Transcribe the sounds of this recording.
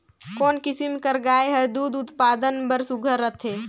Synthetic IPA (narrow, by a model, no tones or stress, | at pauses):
koːnkɪsimkəɾɡaːeɦəd̪uːd̪ʊt̪paːd̪ənbəɾsʊɡʱəɾːət̪ʰeː